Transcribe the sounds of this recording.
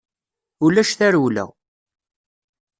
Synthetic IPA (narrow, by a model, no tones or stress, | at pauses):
ulæʃθæɾwlæ̰